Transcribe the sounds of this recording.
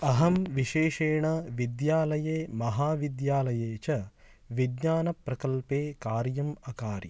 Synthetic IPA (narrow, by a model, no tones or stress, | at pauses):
ɐɦɐmʋiʃeːʃeːɳɐʋid̪jaːlɐjeːmɐɦaːʋid̪jaːlɐjeːt͡ʃɐ | ʋid̪ɲaːnɐpɾɐkɐlpeːkaːɾjɐmɐkaːɾḭ